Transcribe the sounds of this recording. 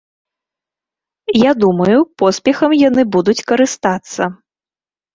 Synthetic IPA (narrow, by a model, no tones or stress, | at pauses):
jad̪umɐjupɔspʲɛxɐmjanɨbud̪ut͡sʲkɐɾɨst̪at̪sːɐ